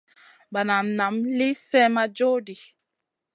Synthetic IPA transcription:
ba˨na˨mna˨mli˦sɛ˦ma˦d͡ʒo˦di˨

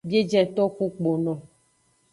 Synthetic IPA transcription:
be˦d͡ʒɛ˦t̪ɔ˦ku˦k͡po˨nɔ̃˨

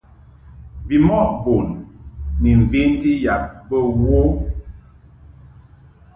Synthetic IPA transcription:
bi˨mɔ˦ʔbo˨nː | i˨ɱ̩˨ve˦nti˦ja˨p̚bə˦wo˦

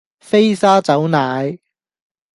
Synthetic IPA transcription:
fe˥jsaː˥t͡sɐ˨˥wnaː˨˥j

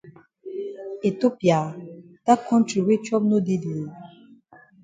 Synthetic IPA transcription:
e˨to˦pja˨ | ta˦kʰɔ̃˦nti˨we˦t͡ʃɔ˦p̚no˦de˦di˨

